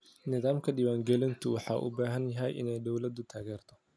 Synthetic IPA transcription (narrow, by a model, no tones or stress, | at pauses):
nɪðaːmkʰɐɖɪwaːŋɡɛlɪnt̪ʰʊwɑħɑ̰ːʔʊ̰baːɦɐnjɐɦɛjʔɪ̰nɛjd̪ɔwlɐd̪ʊt̪ʰaːɣɛːrt̪ʰɔ